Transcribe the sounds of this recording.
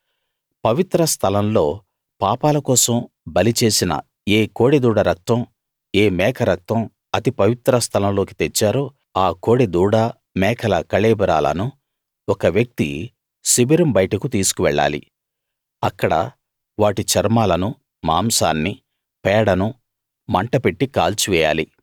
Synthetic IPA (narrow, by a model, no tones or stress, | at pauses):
pɐʋit̪ɾɐst̪ʰɐlɐmlo̞ː | paːpaːlɐkɔːsɐm | bɐlit͡ʃe̞ːsinɐ̰ | eːkoːɽed̪uːɽɐɾɐk̚t̪ɐm | eːmɛːkʰɐɾɐk̚t̪ɐm | ɐt̪ipɐʋit̪ɾɐst̪ʰɐlɐmlo̞ːkit̪et͡ʃːaːɾoː | aːko̞ːɽed̪uːɽɐ | mɛːkʰɐlɐkɐɭeːbɐɾa̰ːlɐ̰nu | ɔkɐʋjɐk̚t̪ḭ | sibiɾɐmbɐjʈɐkut̪iːsu̥kuʋɛɭːa̰ːlḭ | ɐkːɐɽɐ̰ | ʋaːʈit͡ʃɐɾmaːlɐnu | maːmsaːnːi | pɛːɽɐnu | mɐɳʈɐpeʈːikaːlt͡ʃuʋɛːja̰ːli